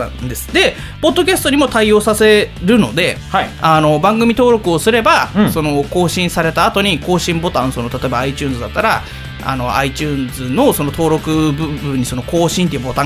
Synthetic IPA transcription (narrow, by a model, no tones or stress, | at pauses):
d̪e̞sɨ̥d̪e̞ | po̞d̪ːo̞kʲasɨ̥t̪o̞ɲ̟imo̞t̪aio̞ːsase̞ɾɯ̟no̞̰d̪e̞ | ano̞bãŋɡɯ̟mʲit̪o̞ːɾo̞kɯ̟o̞sɨɾe̞baso̞no̞ko̞ːɕĩɰ̃saɾe̞t̪aːt̪o̞ɲ̟iko̞ːɕĩmbo̞t̪ãɰ̃sonot̪at̪o̞ebaait͡ɕɨ̟ːnzɨd̪at̪ːaɾa | a̰no̞ait͡ɕɨːnd͡zɨno̞so̞no̞t̪o̞ːɾo̞kɯ̟bɯbɯ̟̃ɲ̟ːiso̞noko̞ːɕĩnt̪eiɯbo̞t̪ã